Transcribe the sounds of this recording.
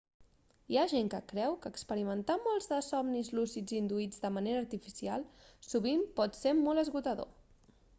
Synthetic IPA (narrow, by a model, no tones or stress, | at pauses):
iaʒeŋkəkɾɛwkəːkspəɾimənt̪amɔlˠzðəsɔmnizlusid͡zind̪uid͡zd̪əməneɾəːɾt̪ifisialˠsuβimpɔt̪semɔləzɣut̪əðo̰